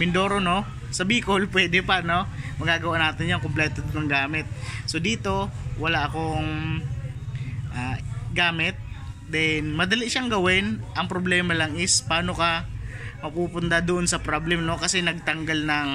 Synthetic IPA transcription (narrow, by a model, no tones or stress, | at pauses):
mɪnd̪o̞ːɾono̞ | sɐbikolpwɛːd̪ɛpɐno̞mɐɡaːɡɐwaʔnaːt̪ɪnjoŋkomplɛːt̪od̪nɐŋɡaːmɪt̪̚so̞d̪iːt̪o̞wɐlaʔɐko̞ŋ | ʔaːɡaːmɪt̪̚d̪ɛnmɐd̪ɐliʔʃaŋɡɐwɪnʔɐŋpɾoblɛːmɐlɐŋɪspaːno̞kɐmɐpuːpʊnt̪ad̪ʊʔonsɐpɾoblɛmno̞kɐsɛnɐɡ̚t̪ɐŋɡalnɐŋ